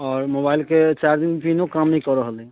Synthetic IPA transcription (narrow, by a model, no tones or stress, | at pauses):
ɔːɾmobailket͡ʃaɾd̪inpʰinokamnəĩkɔɾəɦəli